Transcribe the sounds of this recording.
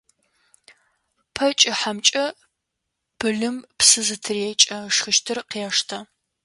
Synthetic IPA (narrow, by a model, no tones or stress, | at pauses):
pʰɐt͡ʃʼɪħamt͡ʃʼɐ | b̥ɨɮɨmpsɨzɨtʰɨrɛt͡ʃʼɐʂxɨʃtʰɨrqjɛʂtʰɐ